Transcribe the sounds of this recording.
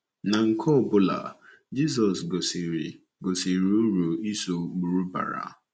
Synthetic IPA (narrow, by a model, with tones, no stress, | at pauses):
na˨ŋ̩˨kʰɔ˦˨bʊ˦la̰˨ | d͡ʒi˦s̬ɔ˨sɡo˨si˨ | ɡo˨si˨ɾɾo˨i˦so˨ɡ͡bu˨ɾu˦ba̰˨ɾa̰˨